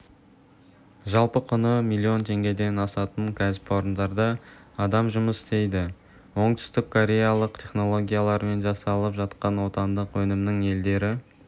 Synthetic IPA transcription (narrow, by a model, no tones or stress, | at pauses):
ʒɑlˠpəqʰʊnəmilʲˠːio̞nt̪ʰe̞ŋɡʲe̞d̪e̞nɑsɑt̪əɴkʲʰæzɪpwo̞ɾənd̪ɑɾd̪ɑː | d̪ɑmʒʊməsst̪e̞jd̪ɪ | wo̞ɴt̪ʰʏ̥st̪ɪkʰːoɾʲe̞jalˠəqt̪ʰe̞χno̞lˠo̞ɡʲijalˠɑɾme̞nʒɑsɑlˠəpʒɑt̪qɑnwo̞t̪ɑnd̪əqwɵnɪmnɪŋe̞ld̪e̞ɾɪ